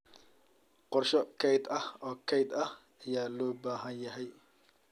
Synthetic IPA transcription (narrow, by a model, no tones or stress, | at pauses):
qɔrʃɔkʰɛjd̪ɐhɔːkʰɛjd̪ɐh | ɐjaːlɔːbaːɦɐnjɐɦɛj